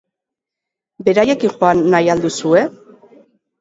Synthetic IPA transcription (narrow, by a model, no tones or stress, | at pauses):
be̞ɾaje̞kinxoanːajald̪usue̞